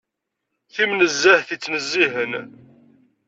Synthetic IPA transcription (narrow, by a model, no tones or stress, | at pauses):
θimnəzːəhθit͡sːnəzːiɦən